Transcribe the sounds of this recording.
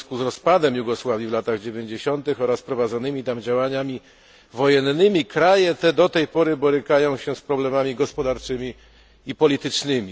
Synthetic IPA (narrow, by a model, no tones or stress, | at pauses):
skuzɾɔspad̪ɛmjuɡɔswavʲjivlat̪aɣd͡ʑevʲjeɲd͡ʑeɕɔnt̪ɘxɔɾaspɾɔvad̪zɔnɘmʲit̪amd͡ʑawaɲamʲi | vɔjɛnːɘmʲikɾajɛt̪ɛd̪ɔt̪ɛjpɔɾɘbɔɾɘkajɔ̃w̃ɕɛspɾɔblɛmamʲiɡɔspɔd̪aɾt͡ʂɘmʲi | ipɔlʲit̪ɘt͡ʂnɘmʲi